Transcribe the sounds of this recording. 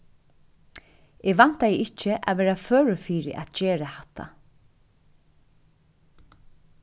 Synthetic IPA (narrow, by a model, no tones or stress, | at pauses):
eɡʋan̥t̪ajɪɪt͡ʃːɪʔa̰ʋɛːɾaføːɹʊfiːɾɪ̰ʔa̰t̪d͡ʒeːɹahat̪ʰːa̰